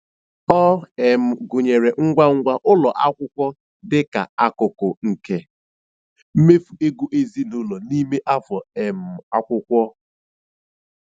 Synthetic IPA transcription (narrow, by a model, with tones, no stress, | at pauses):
ɔ˦e˨mʊ˨ɡʊ˨ɲe˨ɾe˨ŋ̩˦ɡʷa˦ŋ̩˦ɡʷa˦ʔʊ˦lɔ˨ʔa˦kʷʊ˦kʷɔ˦ | dɪ˦ka̰˨a˦kʊ˨kʊ˨ŋ̩˨ke˦ | m̩˦me˦fu˨e˦ɡu˦ʔe˦zi˦nʊ˦lɔ˨ni˦me˦ʔa˦vɔ˨e˨m̩ʊ˨a˦kʷʊ˦kʷɔ˦